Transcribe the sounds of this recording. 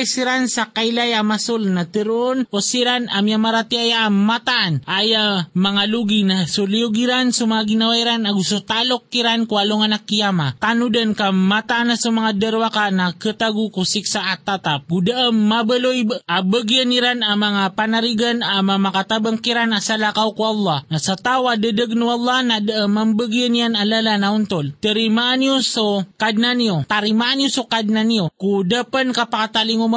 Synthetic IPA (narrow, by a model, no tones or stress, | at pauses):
jsiɾansakajlajamasulnat̪əɾuonosiɾanamijamaɾat̪iajaːmat̪aʔːnajamaŋaluɡinasuliuɡiɾansumaŋaɡinawaiɾanaɡusut̪alokːiɾankualoŋanakijamat̪anudənkamat̪aʔanasumaŋad̪əɾwakanakət̪aɡukusiksaːt̪at̪ap̚ɡudaʔəmːabəlojʔabəɡijaniɾanamaŋapanaɾiɡanamamakat̪abəŋkiɾanasalakawkuʔɑlˠːɑhnasat̪awadədəɡ̚nuɑlˠˤːɑhnadaʔəmːambəɡijanijanalalanaʊnt̪olt̪əɾimaʔanjosokad̪̚naniot̪aɾimaʔanjosukad̪̚nanijokud̪apənkapakat̪aliŋoma